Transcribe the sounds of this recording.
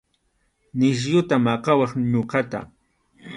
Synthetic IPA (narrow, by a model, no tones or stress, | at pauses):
nɪʃ̬jʊt̪amaqɑwɑχɲʊɢat̪a̰